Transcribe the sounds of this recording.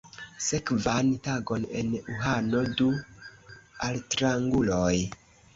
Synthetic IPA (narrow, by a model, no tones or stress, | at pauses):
se̞kvantaɡo̞nḛnuɦano̞du | altɾaŋɡuloj